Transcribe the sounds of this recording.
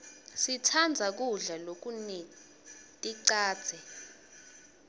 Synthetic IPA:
sitʰand͡zʱak̬uɮalok̬uni | tʼiǀḁːz̥ʰʱɛ

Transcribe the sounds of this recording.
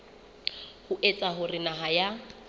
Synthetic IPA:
hʊʔet͡sʼaɦʊrɪnaɦaja

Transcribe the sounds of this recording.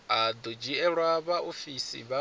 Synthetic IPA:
ad̪ɔd͡ʒiɛɺwaβaofisḭβa

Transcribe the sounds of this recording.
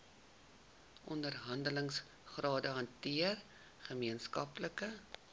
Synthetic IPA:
ʔɔndərɦɐndələŋs | χrɑːdəɦɐntiər | χəmiənskɐpləkə

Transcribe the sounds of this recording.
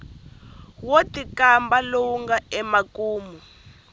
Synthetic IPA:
wotikambalowuŋɡaɛmakuːmu

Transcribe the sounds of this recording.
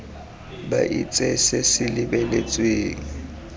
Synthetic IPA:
baʔit͡sʼesesɪlɪbɛlet͡sʼweːŋ̩

